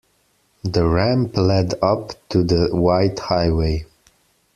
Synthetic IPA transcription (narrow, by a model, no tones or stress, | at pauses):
ðəɹæ̃mplɛdʌptʰuðəwaɪthaɪweɪ